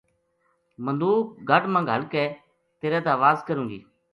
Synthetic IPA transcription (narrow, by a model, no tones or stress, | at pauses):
mənd̪uːkɡʱəʈmãːŋɡɦəlkɛː | t̪eːɾɛːt̪ãːʋaːzkəɾũːɡḭː